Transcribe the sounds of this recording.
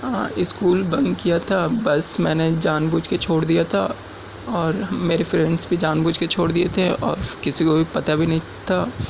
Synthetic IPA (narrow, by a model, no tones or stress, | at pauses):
ɦã̰ːɪskuːlbɐ̃ŋɡkijat̪ʰabɐsmɛ̃ːned͡ʒaːnbuːd͡ʒket͡ʃʰoːɽd̪ijat̪ʰa | ɔːɾmeːɾefɾɛ̃ɳɖsbʱid͡ʒaːnbuːd͡ʒket͡ʃʰoːɽd̪iet̪ʰeɔ̰ːɾkɪsikobʱipɐt̪abʱinɐɦĩ | t̪ʰaː